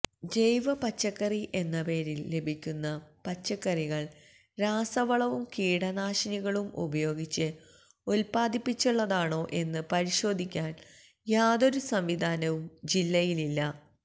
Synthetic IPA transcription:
d͡ʑe̞jʋɐpɐt͡ɕːɐkːɐriʔe̞nːɐpe̞ːɾilːe̞bʱikʲːunːɐpɐt͡ɕːɐkːɐriɣɐɭ | ɾaːsɐʋɐɭɐʋumkiːɽɐnaːʂɐniɣɐɭumṵbɐjo̞ːɡit͡ɕːɨ | olpaːd̪ipːit͡ɕːuɭːɐðaːɳo̞ːʔe̞nːɨpɐɾiɕo̞ːd̪ʱikʲːaːn | jaːðo̞ɾusɐmʋid̪ʱaːnɐʋumd͡ʑilːɐjililːɐ

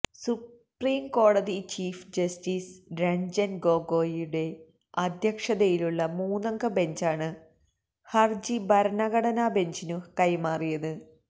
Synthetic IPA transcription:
su | priːmko̞ːɽɐðit͡ɕiːfd͡ʑɐstiːsɾɐɲd͡ʑɐnɡo̞ːɡo̞ːjuɽe̞ | ɐd̪ʱjɐkʂɐðɐjiluɭːɐmuːnɐŋɡɐbe̞ɲd͡ʑaːɳɨ | hɐrd͡ʑibɐɾɐnɐɣɐɽɐnabe̞ɲd͡ʑinukɐjmaːrijɐðɨ

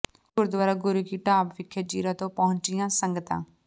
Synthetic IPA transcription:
kʊɾd̪waːɾaːɡʊɾuːkiʈaːpʋɪkʰːed͡ʒiːɾãːt̪õːpəɦʊ̃ɲt͡ʃɪjãːsəŋɡət̪ã̰ː

